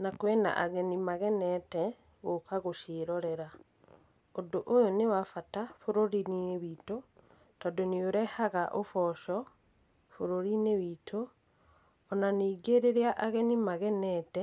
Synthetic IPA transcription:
nakwɛna̰ʔaɣɛnimaɣɛnɛtɛ | okaɣoʃeɾɔɾɛɾa | odoʔojonewafatafoɾoɾininewiːto | tɔdonioɾɛhaɣaʔofɔʃɔ | foɾoɾinewitʰoː | naneːɡeɾeɾeaʔaɣɛnimaɣɛnɛtɛ

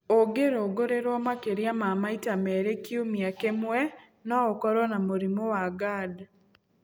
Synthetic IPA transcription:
oɡeɾoɡoɾeɾwɔmakeɾiamamaitamɛɾekiomiakemwɛ | nɔɔkɔɾɔnamoɾimowaɡad

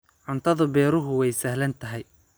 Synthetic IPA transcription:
ʕʊnt̪ʰɐðɐbɛːɾʊɦʊwɛjsɐhlɐnt̪ʰɐɦɛj

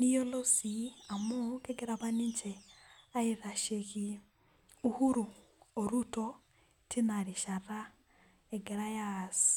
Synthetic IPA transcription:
nijolosiamukeɡeɾaβaniɲt͡ʃeaiɾaʃeki | uhuɾuː | ɾuto | tinaɾiʃara | eɡeɾajasi̥

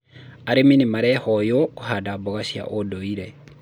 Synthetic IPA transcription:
aɾeminimaɾɛhɔjokuhadaboɣaʃja̰ʔodoiɾe

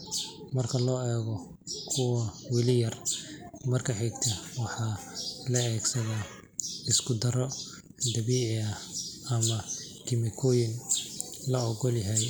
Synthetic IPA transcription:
mɐrkʰɐlɔːɛːɣɔ | kʰʊwɐwɪlɪjɐr | mɐrkʰɐħɛɡt̪ʰɐwɑħɑːlɐɛːɡsɐðaː | ɪskʰʊd̪ɐɾɔ | d̪ɐβiːʕɪɐɐmɐ | ɡɪmɪkʰɔːjɪn | lɐɔɡɔlɪɦɛj

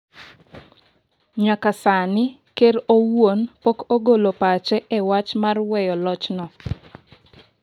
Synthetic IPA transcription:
ɲakasanɪ | keɾowonpokoɡolopat͡ʃɛʔɛwat͡ʃmarwɛjɔlɔt͡ʃnɔ

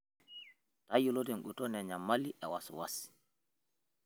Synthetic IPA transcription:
tajulodɛnɗutɔnɛɲamːaliʔɛ̰waswa̰si̥

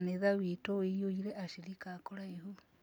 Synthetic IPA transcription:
neðawitowejoiɾeʔaʃiɾikakoɾaehu

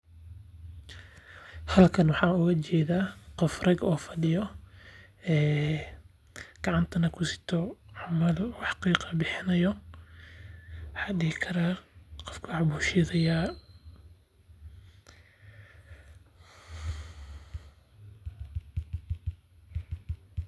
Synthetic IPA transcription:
hɐlkʰɐnwɑħɑːʊɣɐt͡ʃɛːðaːqɔfrɐɡɔːfɐɖɪjɔ | ɛː | ɡ̥ɑʕɑnt̪ʰɐnɐkʰʊsɪ̥t̪ʰɔʕɑmɐluːħɑ̥qiːqɑbɪħɪnɐjɔ | wħɑːɖɪɣɪkʰɐɾaːqɔfkʰʊħbuːʃɪðɐjaː

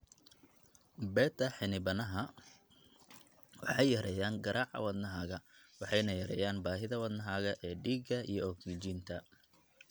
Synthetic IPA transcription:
bɛːd̪ɐħɪnɪbɐnɐɦɐ | wɑħɑjɐɾɛjaːnɡɐɾʔaːħɐ̰wɑd̪nɐɦaːɣɐ | wɑħɑjnɐjɐɾɛ̰jaːnbaːɦɪðɐwɑd̪nɐɦaːɣɐʔɛːɖiːɡɐijɔɔksɪt͡ʃiːnt̪ʰɐ

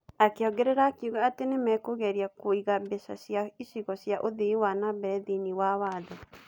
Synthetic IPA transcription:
akeɔɡɛɾɛɾaːkiuɣaatenemɛkoɣɛɾiakoiɣabesa̰sjaisiɣɔsjaʔoðewanabɛɾɛðiniwawaːðɔ

